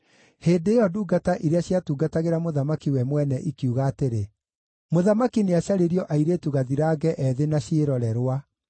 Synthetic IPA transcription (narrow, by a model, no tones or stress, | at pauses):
heːdeːjɔduːɡataʔiɾeaɕjatuːɡataɣeɾamoðamakiwɛmwɛnɛʔikiuɣaːteɾe | moðamakineaɕaɾeɾjɔʔaiɾetuɣaðiɾaːɡɛʔɛðenaɕjeɾɔɾɛɾwa